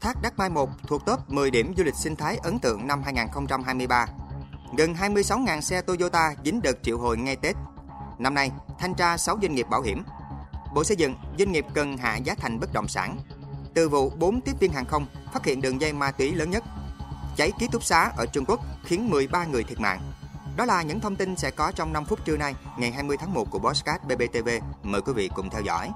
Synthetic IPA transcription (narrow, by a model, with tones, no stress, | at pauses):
t̪ʰaː˦˥k̚ɗa˦˥k̚maː˧jmo˨˩t̚t̪ʰu˨˩ək̚t̪o˦˥p̚mɨ˨˩jɗi˧˩əmzu˧lï˨˩k̟̚sï˧ŋ̟t̪ʰaː˨˦jʔə˨˦nt̪ɨ̰˧˨əŋna˧mɦaː˧jŋaː˨˩nxə˧wŋ͡mt͡ɕa˧mɦaː˧jmɨ˧jɓaː˧ɣə˨˩nɦaː˧jmɨ˧əjsa˨˦wŋaː˨˩nsɛ˧t̪o˧zo˧t̪aː˧zi˨˦ŋ̟ɗɨ˨˩k̚t͡ɕḭ˧˨wɦo̰˧˨jŋa˧jt̪e˦˥t̚ | na˧mna˧jt̪ʰa˧jŋ̟t͡ɕaː˧sa˨˦wzwa˧ŋŋi˨˩p̚ɓaː˧˩whḭ˧˩əmɓo̰˧˨sə˧jzɨ̰˧˨ŋzwi˧ŋŋi˨˩p̚kə˨˩nɦa̰ː˧˨zaː˨˦t̪ʰa˨˩jŋ̟ɓə˦˥t̚ɗə̰˧˨wŋ͡msa̰ː˧˩nt̪ɨ˨˩vṵ˧˨ɓo˨˦nt̪i˦˥əp̚vi˧ənɦaː˨˩ŋxə˧wŋ͡mfaː˦˥t̚hḭ˧˨ənɗɨ˨˩əŋza˧jmaː˧t̪wi˨˦ləː˨˦nɲə˦˥t̚t͡ɕa˨˦jki˦˥t̪ʰʊ˦˥k͡p̚saː˨˦ʔəː˧˩t͡ɕʊ˧ŋ͡mku˦˥k̚xi˨˦ənmɨ˨˩əjɓaː˧ŋɨ˨˩ət̪ʰi˨˩ət̚ma̰ː˧˨ŋɗɔ˨˦laː˨˩ɲɨ̰˧˥ŋt̪ʰə˧wŋ͡mt̪i˧nsɛ̰˧˥kɔ˨˦t͡ɕɔ˧wŋ͡mna˧mfʊ˦˥t̚t͡ɕɨ˧na˧jŋa˨˩jɦaː˧jmɨ˧əjt̪ʰaː˨˦ŋmo˨˩ku˧˩əɓɔ˨˦˥skaː˦˥t̚ɓe˧ɓe˧t̪e˧ve˧məː˨˩jkwi˨˦vḭ˧˨kʊ̰˧˨ŋ͡mt̪ʰɛ˧wzɔ̰˧˥˨j